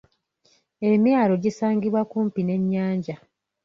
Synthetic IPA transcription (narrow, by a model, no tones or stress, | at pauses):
e̞mjaːlo̞ɟisaːŋɡiβwakuːmpine̞ɲːaːɲɟa